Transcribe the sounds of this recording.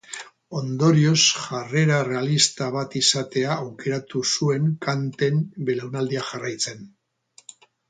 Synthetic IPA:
o̞nd̪o̞ɾio̞sʝare̞ɾare̞alist̪aβ̞at̪isat̪e̞aːwke̞ɾat̪usue̞ŋkant̪e̞mbe̞lewnald̪iaʝarajt͡se̞n

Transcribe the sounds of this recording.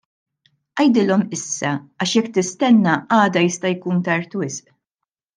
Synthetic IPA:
ʔɐjd̪ɪlɔmɪsːɐɐʃjɛkːt̪ɪst̪ɛnːɐɐːd̪ɐjɪst̪ɐjkuːnt̪ɐɾt̪wɪsʔ

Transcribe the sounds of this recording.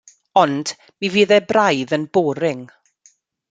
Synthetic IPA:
ɔnd̥ | miviːðɛbrajðənboːɾɪŋ

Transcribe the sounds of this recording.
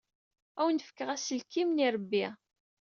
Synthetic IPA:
æwnəfə̥kːəʁæsəlkimniɾˤəbːi

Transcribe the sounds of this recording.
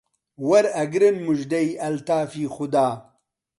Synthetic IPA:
wɐɾɐɡɾɨnmuʒd̪ɐjɐlt̪aːfiːxʊd̪aː

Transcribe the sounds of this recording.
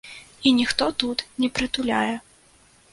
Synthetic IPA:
inʲixt̪ɔt̪ut̪nʲɛpɾɨt̪ulʲa̰jɛ

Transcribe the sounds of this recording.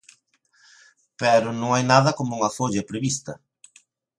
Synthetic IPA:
pɛɾʊnõŋajnaðɐkomuŋɐfoʎɐpɾeβist̪ɐ

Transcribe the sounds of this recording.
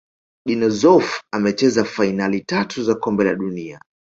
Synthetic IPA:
ɗinɔzɔfamɛt͡ʃɛzafainalitatʰuzakɔmbɛla̰ɗunia̰

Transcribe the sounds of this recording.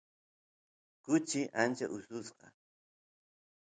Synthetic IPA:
kʊt͡ʃɪʔant͡ʃa̰ʔʊsʊsqɑ̰

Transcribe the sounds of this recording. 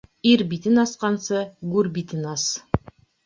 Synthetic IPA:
iɾbit̪ɘnɑsqɑnsɤɡʉrbit̪ɘnɑs

